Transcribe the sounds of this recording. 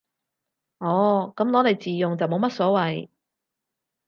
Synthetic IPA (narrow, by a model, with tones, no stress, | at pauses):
ʔɔː˨˥kɐ˨˥mlɔː˨˥le˨˧jt͡siː˨jʊ˨ŋt͡sɐ˨wmo˨˧wmɐ˥t̚sɔː˨˥wɐ˨j